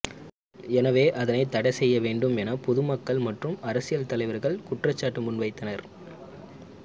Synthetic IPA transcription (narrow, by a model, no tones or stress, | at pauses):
ɛnɐʋeːʔɐðɐnɐɪt̪ːɐɽɐɪsɛjːɐʋeːɳɖɯmɛnɐpɔðɯmɐkːɐɭmɐʈrɯmɐɾɐsɪjɐlt̪ɐlɐɪʋɐɾɣɐɭkʊʈrɐt͡ʃːaːʈːɯmʊnʋɐɪt̪ːɐnɐɾ